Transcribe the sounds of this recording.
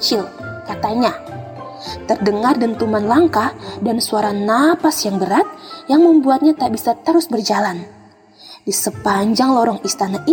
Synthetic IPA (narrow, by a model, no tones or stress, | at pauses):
t͡ʃɪl | kat̪aɲa | t̪ərdəŋardənt̪umanlaŋkadansuaɾanapasjaŋbəɾat̪̚jaŋməmbuat̪̚ɲat̪aaʔbisat̪əɾʊsbərd͡ʒalan | disəpaɲd͡ʒaŋlɔɾɔŋist̪anaʔi